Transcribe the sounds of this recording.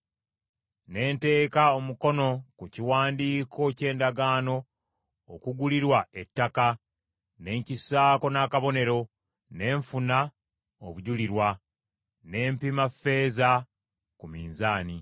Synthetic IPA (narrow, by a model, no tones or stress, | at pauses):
ne̞ːnte̞ːkaomuko̞no̞kuciwaːndiːkʰo̞ce̞ːndaɡaːno̞ː | kuɡuliɾwae̞tːaka | ne̞ːɲcisaːko̞naːkaβo̞ne̞ɾo̞ | ne̞ːɱfuna | oβuɟuliɾwa | ne̞ːmpimafe̞ːza | kumiːnzaːni